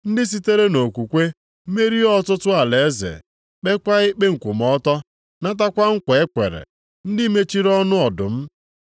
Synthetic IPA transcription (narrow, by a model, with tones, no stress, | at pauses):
n̩˦dɪ˦s̬i˦te˦ɾe˦no˨kʷu˨kʷe˦ | me˦ɾi˦ɔ˦tʊ˦tʊ˦a˨le˨e˦zḛ˨ | k͡pe˦kʷa˦i˦k͡pe˦ŋ̩˨kʷu˨mɔ˦tɔ˦ | na˦t̬a˦kʷa˦ŋ̩˦kʷe˨e˦kʷḛ˨ɾḛ˨ | n̩˦dɪ˦me˦t͡ʃi˦ɾɔ˦nʊ˦ɔ˨dʊ̰˨m̩˦